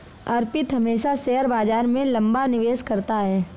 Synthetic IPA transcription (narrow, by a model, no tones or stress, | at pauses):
ɐɾpɪt̪ɦɐmeːʃasɛɦəɾbaːd͡ʒaːɾmẽlɐ̃mbanɪʋeːskɐɾt̪aɦɛː